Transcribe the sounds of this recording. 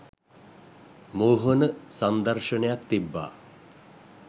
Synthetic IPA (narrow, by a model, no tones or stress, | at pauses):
moːɦənəsand̪aɾʂənejak̚t̪ibːa̰ː